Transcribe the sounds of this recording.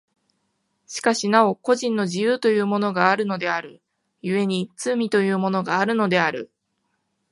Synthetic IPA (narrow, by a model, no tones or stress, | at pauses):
ɕi̥kaɕinao̞ko̞ʑĩnːo̞ʑijɯːt̪o̞jɯ̟ːmo̞no̞ɡaːɾɯ̟no̞d̪e̞aɾɯ̟ | jɯ̟e̞ɲ̟it͡sɨmʲit̪o̞jɯ̟ːmo̞no̞ɡaːɾɯ̟no̞d̪e̞aɾɯ̟̰